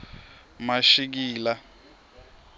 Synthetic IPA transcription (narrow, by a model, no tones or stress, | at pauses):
maʃik̬iːla